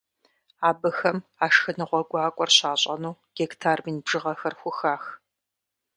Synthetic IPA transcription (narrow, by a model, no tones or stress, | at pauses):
aːbɨxɐmaːʂxɨnɨʁʷɔɡʷʼɑːkʷʼɔrɕaːɕʼɐnuːɡ̥ektʰaːrmiːnbʒɨʁɐxɐrxʷʊxaːx